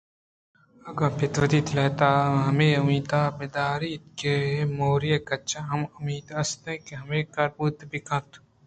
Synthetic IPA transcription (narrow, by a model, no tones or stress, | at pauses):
ɐɡɐ̃pʰɪt̪ʋɐd̪iːt̪ʰlɐːt̪aːɦɐmeːumiːt̪aːbɪd̪aːɾiːt̪̚kemoːɾijekɐt͡ʃʰaɦɐmʊmiːt̪ɐst̪ẽkeɦɐmeːkɐɾpuːt̪bikɐ̃t̪u